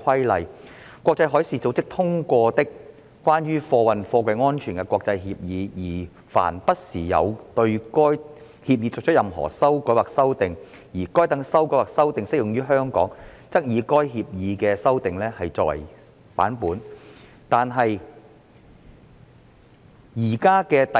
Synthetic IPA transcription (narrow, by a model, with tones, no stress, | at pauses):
kʷʰɐ˥jlɐ˨j | kwɔː˧k̚t͡sɐ˧jɦɔː˨˥jsiː˨˧t͡so˨˥wt͡sɪ˥k̚t̪ʰʊ˥ŋkʷɔː˧t̪ɪ˥k | kʷːaː˥nɥyː˥fɔː˧wɐ˨nfɔː˧kwɐ˨˧jŋɔː˥nt͡ʃʰyː˨˩nkɛ˧kwɔː˧k̚t͡sɐ˧jɦiː˧p̚jiː˨˧jiː˨˩ | fa̰ː˨˩npɐ˥t̚siː˨˩jɐ̰˨˧wt̪ɵ˧ɥkɔː˥j | hiː˧p̚jiː˨˧t͡sɔː˨k̚t͡ʃʰt̚jɐ˨mɦɔ̰ː˨˩sɐ˥wkɔː˨˥waː˨ksɐ˥wt̪ɪ˨ŋ | jiː˨˩kɔː˥jt̪ɐ˨˥ŋsɐ˥wkɔː˨˥waː˨k̚sɐ˥wt̪ɪ˨ŋsɪ˥k̚jʊ˨ŋjyː˥ɦœː˥ŋkɔ̰ː˨˥ŋ | t͡sɐ˥k̚jiː˨˧kɔː˥jɦiː˧p̚jiː˨˧kɛː˧sɐ˥wt̪ɪ˨ŋlɛː˥hɐ˨jt͡sɔː˧k̚wɐ̰˨˩j | pa̰ː˨˥npuː˨˥n | t̪aː˨nɦɐ˨j | jiː˨˩kaː˥kɛː˧t̪ɐ˨